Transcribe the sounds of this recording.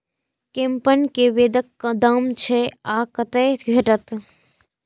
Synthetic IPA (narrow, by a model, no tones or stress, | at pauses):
kẽmpənkeʋeːd̪əkːɐd̪əmt͡ʃʰeaːkɐt̪əɡʱeʈət̪